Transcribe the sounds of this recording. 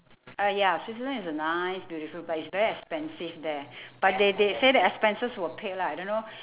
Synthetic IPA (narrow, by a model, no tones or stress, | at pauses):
ajasis̬izə̃nisənaɪsbjuɾifulbat̚itsvɛɹiɛkspɛ̃nsivdɛb̥at̚dedesedɛtɛkspɛ̃nsəswəpʰet̚laajdõnːo